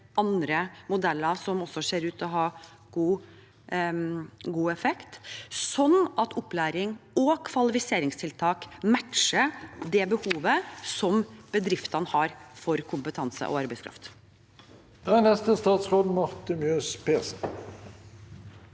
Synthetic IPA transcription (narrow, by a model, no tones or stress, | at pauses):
ɑnd̪ɾəmʊd̪ɛlːəsɔmɔsːɔʂeːɾʉːt̪ʰɔɦɑː | ɡ̥uː | ɡuːɛfɛkt̪sɔnːɑt̪ʰɔplæːɾɪŋɔkʰʋɑlɪfɪseːɾɪŋst̪ʰɪlt̪ʰɑːkmæʈʂəd̪ɛbəhuːʋəsɔmb̥əd̪ɾɪft̪ənəhɑːɾfɔɾkʰʊmpət̪ʰɑnsə̰ʔɔ̰ɑɾbæɪskʰɾɑ̰ft̪ | d̪̥ænɛst̪əst̪ɑːt̪sʁoːd̪n̩mɑʁt̪əmjøːspʰeːsn̩